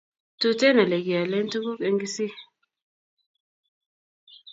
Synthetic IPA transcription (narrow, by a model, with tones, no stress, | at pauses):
tu˦tɛ˦na˨le˨ɡi˨a˨lɛ˦ntu˦ku˦ke˦ŋɡi˦si˦